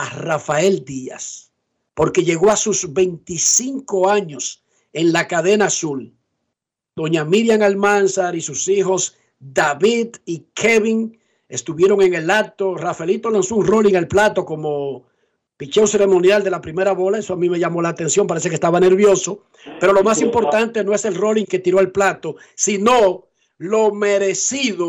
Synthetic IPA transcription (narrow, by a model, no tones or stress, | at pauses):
arafae̞ld̪ia̰s | po̞ɾke̞ʝe̞ɣo̞asuzβe̞jnt̪isiŋko̞aɲo̞s | e̞ŋlakaðe̞nasul | d̪̥o̞ɲamiɾjaŋalmansaɾisusiɦo̞s | d̪aβiðikʰeβiŋ | e̞st̪uβje̞ɾo̞ŋe̞ŋe̞lat̪o̞rafelit̪o̞lansouŋro̞liŋalplat̪o̞ko̞mo̞ | pit͡ʃewse̞ɾe̞mõ̞njald̪e̞lapɾime̞ɾaβo̞lae̞soamĩme̞ʝamo̞laːt̪e̞nsjo̞mpaɾe̞s̬e̞kest̪aβane̞ɾβjo̞so̞ | pe̞ɾo̞lo̞masimpo̞ɾt̪ant̪e̞no̞e̞se̞lro̞liŋke̞t̪iɾo̞alplat̪o̞ | sino | lo̞meɾe̞siðo